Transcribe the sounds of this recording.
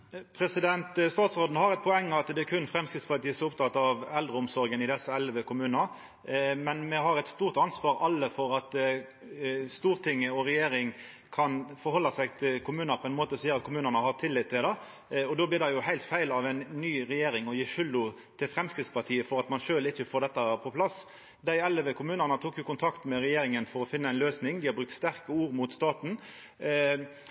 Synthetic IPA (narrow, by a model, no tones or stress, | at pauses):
pʰɾɛsɪd̪ɛnt̪st̪ɑːt̪sʁoːd̪n̩hɑʁɛt̪̚pʰɔɛŋːɑt̪d̪ɛækʰʉnfɾɛmskɾɪt̪spɑt̪iːəsɔmʊpt̪ʰɑt̪ːɑʋɛld̪ɾəʊmsɔɾɡənɪd̪ɛsːəɛlʋəkʰʊmʉːnɑ | mɛnmɛɦɑɾɛt̪st̪uːʁt̪ɑnsʋɑːɾɑlːəfɔɾɑt̪ | st̪uːɾt̪ʰɪŋːəɔɾɛjeːɾɪŋ | kʰɑnfɔɾhɔlːɑsæɪɡt̪ʰɪlkʰʊmʉːnəɾpʰɔɛnmoːt̪əɔsiːəɾʁɑt̪̚kʰʊmʉːnənəhɑʁt̪ʰɪlːɪt̪ʰːɪld̪ɑ | ɔd̪oːblɪʁd̪ɛjʊhæɪlt̪fæɪlɑʋæɪnnyːʁɛjeːɾɪŋɔjiːʃʏld̪ʊ | t̪ʰɪlfʁɛmskɾɪt̪spɑʁt̪ʰiːəfɔɾɑt̪mɑnʃøːlɪçːəfoːʁd̪ɛt̪ːɑpʰɔpʰlɑs | d̪æɪɛlːəʋəkʰʊmʉːnəʁnət̪ʰuːkjʊkʊnt̪ʰɑkt̪mɛɾɛjeːɾɪŋənfɔɾɔfɪnːəæɪnløːsnɪŋd̪ɪhɑbɾʉkt̪st̪æʁkəuːɾmʊt̪st̪ɑːt̪n̩